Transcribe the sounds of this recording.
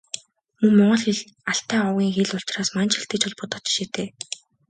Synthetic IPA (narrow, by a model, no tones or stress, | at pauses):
mɵŋmɔɴɢɞ̆ɮxeɮ | aɬt̪æːɔwɣʲiːŋxeɮʊɬt͡ɕraːsmant͡ɕɪ̆ɬt̪ɘ̆t͡ɕɔɮpʊːt̪ɔ̥t͡ɕɪ̥̆ʃet̪eː